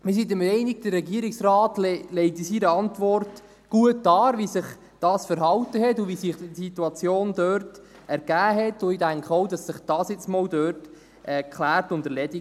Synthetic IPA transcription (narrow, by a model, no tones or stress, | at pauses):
mɪs̬itəmɾɛɪnɪɡ̚d̥əɾːɛɡiəɾɪksrɑːtllɛɪtisiɾəɑntʋɔrt | ɡ̥uətːɑːʋisɪχ | d̥ɑːsfəɾɦɑwtəɦɛtʊvisiχdsitːuɑt͡sjoːndøɾt | ɛɾɡ̥æːɦɛtʊidæŋkχəɔwdɑsːɪχd̥ɑːsjɪt͡smɔldøːɾt | ʔɛkχlæːɾtʊndəɾlɛdi